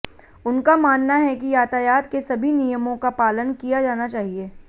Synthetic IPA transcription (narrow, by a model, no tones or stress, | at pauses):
ʊnkamaːnːaɦɛkijaːt̪ajaːt̪kesɐbʱinijəmõkapaːlənkijad͡ʒaːnat͡ʃaːɦieː